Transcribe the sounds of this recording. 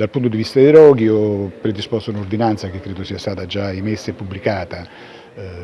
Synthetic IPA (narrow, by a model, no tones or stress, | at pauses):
d̪alpunt̪od̪ivist̪ad̪ejɾɔːɡ̟iɔpɾed̪ispɔst̪ounord̪inant̪sak̟ekːɾeːd̪osiːast̪aːt̪ad͡ʒaimesːepubːlikaːt̪a